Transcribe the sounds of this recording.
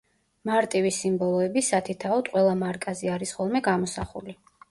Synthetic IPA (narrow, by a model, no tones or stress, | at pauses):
maɾt̪ʼivisimbɔlˠɔɛbisat̪ʰit̪ʰaɔd̪qʼwɛlˠamaɾkʼazɛaɾisχɔlˠmɛɡamɔsaχṵli